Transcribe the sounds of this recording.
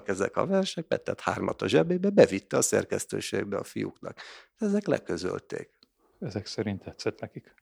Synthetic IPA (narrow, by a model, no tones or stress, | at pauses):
kɛzɛkɒvɛrʃɛk̚pɛt̪ːɛt̪haːrmʔɒt̪ɒʒɛbeːbɛbɛvit̪ːɛɒsɛrkɛst̪øːʃeːɡbɛɒfijuknɒkʃɛzɛklɛ̰kø̞zø̰lt̪eːk | ɛzɛksɛɾint̪ːɛt̪sɛt̪nɛkik